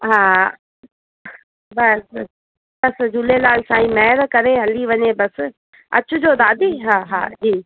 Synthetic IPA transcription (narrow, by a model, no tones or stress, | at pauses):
ɦãː | bɐs | bɐsd͡ʑʱulelaːlsãːĩːmɛːɾkɐɾeɦɐliʋɐɲebɐs | ɐ̰t͡ɕʊd͡ʑoːd̪aːd̪iːɦãːɦa̰ːd͡ʑiː